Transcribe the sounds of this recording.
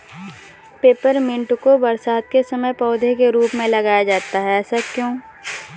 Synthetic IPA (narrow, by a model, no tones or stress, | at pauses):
peːpəɾmɪ̃ɳʈkobɐɾsaːt̪̚kesɐməjpɔːd̪ʱekeɾuːpmẽlɐɡaːjad͡ʒaːt̪aɦɛɛːsakjõː